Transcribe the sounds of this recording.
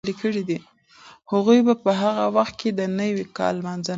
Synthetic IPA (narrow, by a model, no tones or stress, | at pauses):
likəɽid̪i | haɣujbapəɦaɣawaxt̪̚ked̪ənəwikɑ̰lːmanza